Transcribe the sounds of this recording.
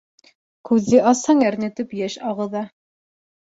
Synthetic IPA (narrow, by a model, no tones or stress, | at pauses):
kʉðːɘʔɑshɑŋæɾnɘ̆t̪ɘpjæʃɑʁɤ̆ðɑ